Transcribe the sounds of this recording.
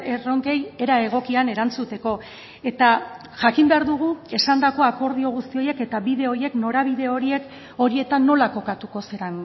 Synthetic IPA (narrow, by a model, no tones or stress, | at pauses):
ero̞ŋke̞je̞ɾae̞ɣ̞o̞kiane̞ɾant͡sut̪e̞ko̞ | e̞t̪a | ʝakimbe̞aɾðuɣ̞ue̞sand̪ako̞ako̞ɾðio̞ɣ̞ust̪io̞je̞ke̞t̪aβiðe̞o̞ɾje̞kno̞ɾaβ̞iðe̞o̞ɾie̞k | o̞ɾie̞t̪anːo̞lako̞kat̪uko̞seɾaŋ